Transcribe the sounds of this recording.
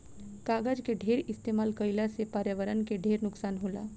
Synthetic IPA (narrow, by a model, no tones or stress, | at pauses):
kaːɡəd͡ʒkeɖʱeːɾɪst̪eːmaːlkəɪlasepaːɾjəʋəɾənkeɖʱeːɾnʊksaːnɦoːla̰ː